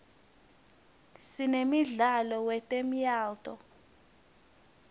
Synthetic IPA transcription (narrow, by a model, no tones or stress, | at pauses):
sinemiɮalɔwɛtʼemijaːltʼɔ